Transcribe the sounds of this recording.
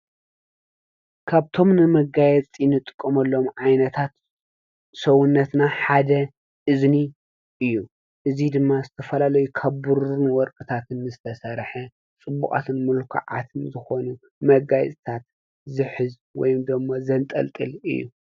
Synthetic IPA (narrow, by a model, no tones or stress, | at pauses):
kʰaβt̪ʰo̞mnɨmɐɡajɛt͡sʼinɨt̪ʼɨkʼːɐmɐlːo̞mʕajnɐt̪ʰat̪ | sɐwʊnːɐt̪naħad̪ɐ | ʔɨzni | ʔɨjːu | ʔɨzid̪ɨmːazɨt̪ʰɐfɐlalɐjukʰaβbuɾunwɔɾkʼɨt̪ʰat̪ʰɨnzɨt̪ʰɐsɐɾħɐ | t͡sʼɨbːṵkʼa̰t̪ʰɨnmɨlkʰa̰ʕa̰t̪ʰɨnzɨxo̞nu | mɐɡajɛ̰t͡sʼt̪ʰat̪̚ | zɨħɨz | wɔ̰jumd̪ɨmːozɐnt̪ʼɐ̰lt̪ʼɨ̰lɨ̰jːṵ